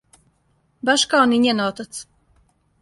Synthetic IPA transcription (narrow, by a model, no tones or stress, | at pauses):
baʃkawniɲɛnɔːt̪at̪s